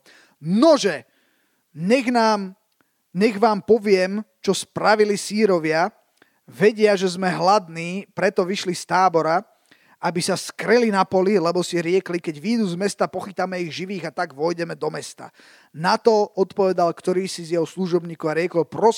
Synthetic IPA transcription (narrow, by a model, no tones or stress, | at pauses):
nɔʒɛ | ɲɛɣnaːm | ɲɛɣʋaːmpɔʋɪɛmt͡ʃɔspɾaʋilisiːɾɔʋɪa | ʋɛɟɪaʒɛzmɛɦlad̪niːpɾɛt̪ɔʋiʃlist̪aːbɔɾa | abisaskɾɛlinapɔlilɛbɔsiɾɪɛklikɛɟʋiːd̪uːzmɛst̪apɔxit̪amɛiɣʒiʋiːɣat̪aɡʋɔjɟɛmɛd̪ɔmɛst̪a̰ | nat̪ɔɔt̪pɔʋɛd̪alkt̪ɔɾiːsizjɛɦɔsluʒɔbɲiːkɔʊaɾɪɛkɔlpɾɔ